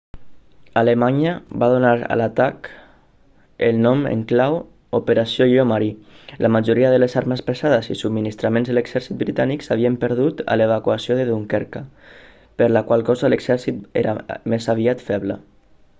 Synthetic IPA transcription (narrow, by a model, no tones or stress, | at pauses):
alemaɲəbað̞unaɾa̰lat̪ak | elnɔmḛŋklaw | opeɾasjoomaɾi | lʔamaʒuɾiað̞ələzaɾməspesaðəzḭsubminist̪ɾamẽnzðəleɡzɛɾsit̪̚bɾit̪aniksaβiəmpəɾð̞ut̪a̰leβ̞akwasioðeðuŋkɛɾka | pəɾlakwalˠkɔzələɡz̥ɛɾsit̪ḛɾamezaβiat̪fɛβlə̰